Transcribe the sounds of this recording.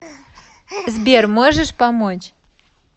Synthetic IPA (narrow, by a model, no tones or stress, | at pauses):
zbʲermoʒə̆ʃpɑmot͡ɕ